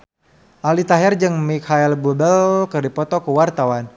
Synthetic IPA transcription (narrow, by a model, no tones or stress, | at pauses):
ʔalit̪aɦɛrd͡ʒɨŋmikʰaɛlbubəlkərdipɔt̪ɔkəwart̪awan